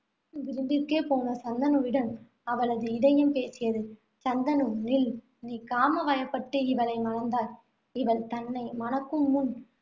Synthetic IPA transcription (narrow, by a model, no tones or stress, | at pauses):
ʋɪɾɯmb̪ɪrkeːpoːnɐsɐnd̪ɐnɯʋɪɽɐm | ɐʋɐɭɐðɯɪɽɐjɯmpeːsɪjɐðɯ | t͡ʃɐnd̪ɐnɯmnɪl | niːkaːmɐʋɐjɐpːɐʈːɯɪʋɐlɐɪmɐnɐnd̪aːl | ɪʋɐlt̪ɐnːɐɪmɐnɐkːɯmːʊn